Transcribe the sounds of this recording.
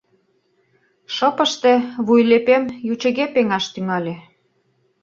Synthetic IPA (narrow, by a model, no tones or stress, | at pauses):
ʃɤ̆pə̆ʃt̪ĕβujlepemjut͡ɕə̆ɣepeŋɑʃt̪yŋɑlʲe